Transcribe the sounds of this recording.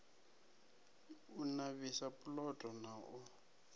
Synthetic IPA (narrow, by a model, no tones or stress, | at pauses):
unaβisapʼʊlɔtʼɔnaʔʊ